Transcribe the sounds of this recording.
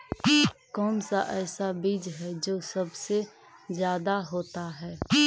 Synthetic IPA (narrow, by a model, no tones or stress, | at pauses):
kɔːnsaʔɛːsabid͡ʒɦɛd͡ʒoːsɐbse | zjaːd̪aɦoːt̪aɦɛː